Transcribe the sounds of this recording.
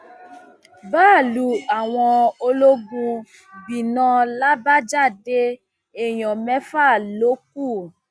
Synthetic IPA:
baː˦˨lu˧˦a˨w̃ɔ̃˧o˧lo˦ɡũ˧ | bĩ˨nɔ̃˧la˦ba˦d͡ʒa˦˨de˦ | e˨j̃ɔ̃˨mɛ̃˦fa˦˨lo˨˦k̚u˦˨

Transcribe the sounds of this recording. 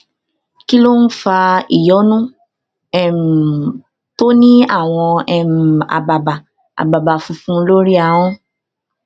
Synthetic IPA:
ki˦lo˦n̩˦fa˧i˨jɔ˨˦nũ˦ | ɛ˦˨m˨ | to˦nĩ˦a˦˨w̃ɔ̃˧ɛ˦m˨a̰˨ba˨ba˨ | a̰˨ba˨ba˨fũ˧˦fũ˦lo˦ɾi˦a˨˦w̃ɔ̃˦

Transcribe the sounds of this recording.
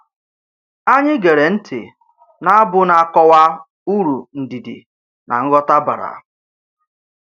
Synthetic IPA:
a˦ɲɪ˦ɡe˨ɾe˨n̩˦tʰɪ̰˨ | na˦bʊ˦na˨a˨kɔ˦wa˦ | u˦ɾu˨n̩˨di˨dḭ˨ | na̰˨ŋ̩˦ɡɔ˦ta˦ba̰˨ɾa̰˨

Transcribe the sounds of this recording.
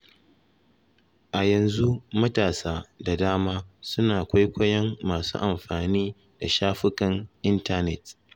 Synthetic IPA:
ʔa˨jɐ˨nzu˦mɐ˦taː˨saː˦da˨daː˦maː˦sʊ˦naː˨kʷɐ˦jkʷɐ˦jɐ˦mːaː˨sṵ˦ʔa˨mɸaː˨niː˦ | da˨ʃaː˦ɸɪ˦kɐ˨ŋʔɪ˦nta˦nɛ˨t

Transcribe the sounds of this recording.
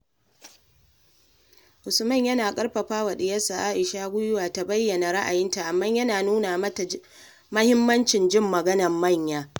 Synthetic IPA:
ʔʊ˨sʊ˨mɐ˦˨ɲjɐ˦naː˨kʼɐ˦ɽɸɐ˨ɸaː˦wa˨ɗɪ˨jɐ˦sa˨ʔaː˦ʔɪ˨ʃaː˦ɡʷʊ˦jʊ˦waː˨ta˨bɐ˦jːɐ˨na˨ɾa˦ʔa˨jɪ˦nta˨ʔa˨mːɐ˦ɲjɐ˦naː˨nuː˦naː˨˦˨ | mɐ˦hɪ˦mːɐ˦nt͡ʃɪ˨nd͡ʒɪ˦˨mːɐ˨ɡɐ˦nɐ˨mːɐ˦˨ɲjaː˦

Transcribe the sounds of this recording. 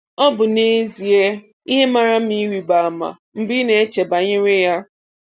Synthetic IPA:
ɔ˦bʊ˨ne˦zi˨e˦ | i˦ɦe˦ma˦ɾa˦m̩˦i˦ɾi˨ba˨a˨ma̰˨ | m̩˦bi˦ne˦e˦t͡ʃe˨ba˨ɲɪ˦ɾe˦ja˦

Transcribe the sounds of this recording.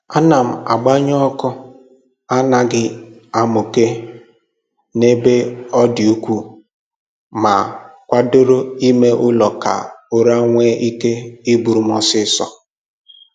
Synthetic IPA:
a˦na˨m̩˨a˨ɡ͡ba˦ɲɔ˦kʊ˦ | a˦na˨ɡɪ˦a˦mʊ˨ke˦ | ne˦be˦ɔ˦dɪ˨u˦kʷu˦ | ma˨kʷa˦do˦ɾo˦i˦me˦ʔʊ˦lɔ˨ka̰˨o˦ɾa˦ŋʷe˦ʔi˦ke˦i˦bu˨ɾu˨m˦ɔ˦sɪ˦sɔ̰˨

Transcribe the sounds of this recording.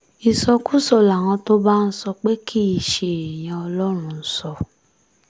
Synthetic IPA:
i˨sɔ˧ku˦sɔ˦˨la˨w̃ã˧to˦ba˦n̩˦sɔ˧k͡pe˦kʰi˦i˧˨ʃe˨e˨j̃ã˧ɔ˧lɔ˦ɾ̃ũ˧n̩˦sɔ˧

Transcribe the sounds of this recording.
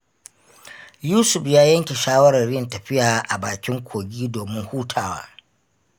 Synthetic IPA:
juː˦sʊ˨ɸjaː˦jɐ˦ŋkʲe˨ʃaː˦wɐ˦ɾɐ˨rɽɪ˦jɪ˨ntɐ˨ɸɪ˦jaː˨˦ʔa˨baː˨kʲɪ˦ŋkʷoː˨ɡʲiː˦doː˨mɪ˦ŋhuː˦tʰaː˨wa̰ː˦

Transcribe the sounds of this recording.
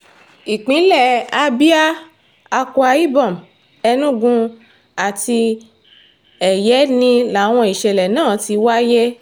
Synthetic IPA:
i˨k͡pĩ˨˦lɛ˦˨a˧bi˦a˦ | a˧kɔ˧a˧i˦bɔ˦˨m˨ | ɛ˧nũ˦ɡũ˧ | a˨ti˧ | ɛ˨jɛ˨˦nĩ˧la˨˦w̃ɔ̃˧i˨ʃɛ˨lɛ˨nãː˦˨ti˧wa˦je˦

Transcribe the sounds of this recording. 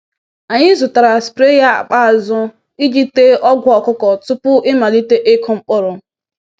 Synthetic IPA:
a˨ɲɪ˦zʊ˨ta˨ɾa˨spɾe˦ja˦a̰˨k͡pa˦˨zʊ˦ | i˦d͡ʒi˦te˦ɔ˦ɡʷʊ˦ɔ˨kʊ˦kɔ˨tʊ˦pʊ˦ʔɪ˦ma˨li˦te˦ʔe˦kʰɔ˦ŋ͡m̩˦k͡pʊ˦ɾʊ˨

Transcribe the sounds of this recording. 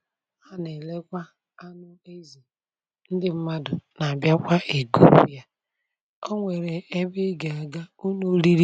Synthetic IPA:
a˦ne˨le˦kʷa˦ | a˦nʊ˦e˦zi˨ | n̩˦dɪ˦m̩˦ma˦dʊ˨na˨a˨bja˦kʷa˦ʔe˨ɡu˦ṵ˦ja˦ | ɔ˦ŋʷe˨ɾe˨e˦bɪ˦ɡe˨a˨ɡa˦u˦no˦li˦ɾi˦

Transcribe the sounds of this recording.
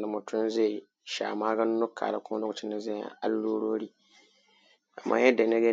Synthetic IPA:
da˨mʊ˨tʰʊ˦n˦ze˦˨ | ʃa̰ː˨maː˦ɡa˦n˦no˦kʰa̰ː˨la̰˨kʊ˦do˦ɡʊ˨tɪ˦na˨zɛ˦˨˦a̰˦lːo˦ɾo˦ɾi˦ | a˨mːʔa̰˦jɛ˦da˨na˦ɡe˦

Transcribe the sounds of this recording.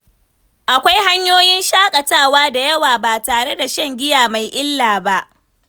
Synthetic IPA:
ʔa˨kʷa˦jɦa˦ɲjoː˦jɪ˦nʃaː˦kʼɐ˨taː˦˨waː˦da˨jɐ˦waː˨baː˨taː˨ɽe˦da˨ʃɐ˦˨ŋɡʲɪ˦jaː˨ma˨jʔɪ˦lːaː˨ba˦ʔ

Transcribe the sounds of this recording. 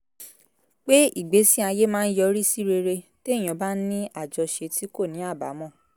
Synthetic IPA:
k͡pe˦i˦˨ɡ͡be˨˦sĩ˦a˧je˦mãː˦˧n̩˦jɔ˧ɾi˦si˦ɾe˧ɾe˧te˦˨j̃ɔ̃˨ba˦nĩ˦a˦˨d͡ʒɔ˨˧ʃe˧ti˦ko˦˨nĩ˨˦a˦˨ba̰˨˦mɔ̃˦˨

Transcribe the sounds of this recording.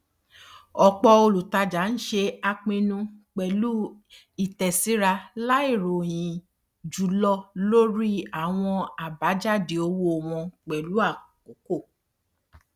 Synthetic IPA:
ɔ˧k͡pɔ˧o˧lu˨ta˧d͡ʒa˨˦n̩˦ʃe˧a˧k͡pẽ˧nũ˧k͡pɛ˨lu˦ | i˦˨tɛ˨si˨˦ɾa˧la˦i˦˨ɾo˨j̃ĩ˨ | d͡ʒu˨˦lɔ˧lo˦ɾi˦a˨w̃ɔ̃˧a˨ba˨˦d͡ʒa˦˨di˨o˧˦wo˧˨w̃ɔ̃˧k͡pɛ˨lu˨˦a˦˨ko˨˦ko˦˨

